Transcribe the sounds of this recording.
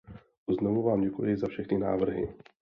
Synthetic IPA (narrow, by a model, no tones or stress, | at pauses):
znovuvaːmɟɛkujɪzafʃɛxnɪna̰ːvr̩ɦɪ̰